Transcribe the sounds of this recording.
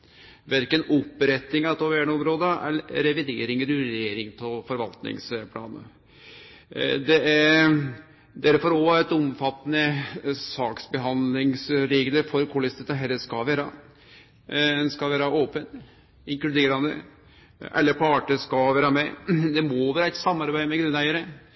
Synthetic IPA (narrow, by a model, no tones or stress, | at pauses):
ʋɛɾkənɔpːɾɛt̪nɪŋɑt̪ʰɔʋææɳɔmɾoːd̪əæ̰lɾɛʋɪd̪eːɾɪŋəɾyɾjeːɾɪŋt̪ʰɪlfɔɾʋɑlt̪nɪ̰ŋspʰlɑ̰ːnə̰ | d̪ɛæ | d̪æɾfɔɾɔɛt̪ɔmfɑt̪ːənəsɑːksbəɦɑnd̪lɪŋsɾeɡləfɔɾkʰɔːlɪst̪ɛt̪ɑɦɛlːəskɑʋæːɾɑ | ɛnskɑʋæːɾɑʔoːpən | ɪŋklʉd̪eːɾɑnd̪ə̰ | ʔɛ̰lːəɾpʰɑːʈəskɑʋæːɾɑmɛd̪ɛmoʋæːɾɑɛt̪sɑmːɑɾbæɪmɛɡɾʉnːæɪəɾə